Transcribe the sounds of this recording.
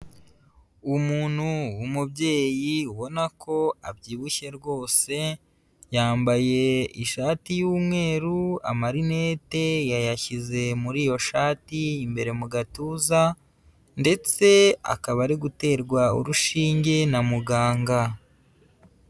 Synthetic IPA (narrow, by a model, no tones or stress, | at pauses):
umuːnhuwumubɟe̞ːjiuβo̞nakʰo̞a̰bɟiːβuçe̞ɾɡo̞ːse̞ | jaːmbaje̞iʃaːtijuːmŋe̞ːɾua̰maɾine̞ːte̞jajaçize̞muɾiːjo̞ʃaːtiːmbe̞ɾe̞muɡatuza | nde̞t͡se̞a̰kaβaɾiɡute̞ːɾɡwaṵɾuʃiːɲɟe̞namuɡaːŋɡa